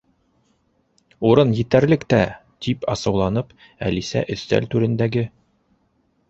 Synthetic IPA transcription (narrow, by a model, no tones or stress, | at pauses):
uɾɤnjɘ̆t̪æɾlɘ̆kt̪æ | t̪ipɑsɤ̆wlˠɑnɤp | æ̰lisæ̰ʔɵ̆θt̪æ̰lt̪ʉɾɘ̆nd̪æɡɘ